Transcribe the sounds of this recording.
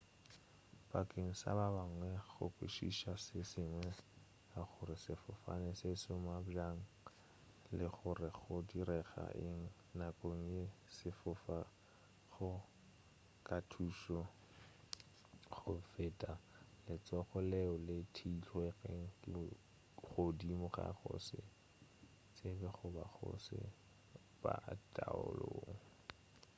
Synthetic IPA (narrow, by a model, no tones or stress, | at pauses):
pakʼeŋ̩sa̰babaŋwɛɣʊ̰kʼwḛʃḭʃasɪsɪŋwɛ | aχʊɾɪsɪfʊfa̰nɪsɪsʊmabd͡ʒaŋ̩ | lɪχʊrɪχʊdiɾɛɣa̰ʔɪŋ̩ | nakʼoŋ̩e | sɪfʊfa | ɣʊ | kʼatʰuʃɔ | χʊfɪːtʼalɪt͡sɔχʊlɛʊlɪtʰeit͡ɬʰwɛɣeŋ̩kʼɪ | χodimʊχa̰χʊ̰sɪ | t͡sʼebɛχʊbaχʊ̰sɪ̰ | ba̰tʼaʊ̰loːŋ̩